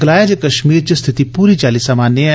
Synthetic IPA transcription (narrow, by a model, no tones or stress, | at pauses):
ɡəlaːjad͡ʒekɐʃmiːɾt͡ʃəst̪ʰɪt̪ipuːɾit͡ʃaːlisəmaːne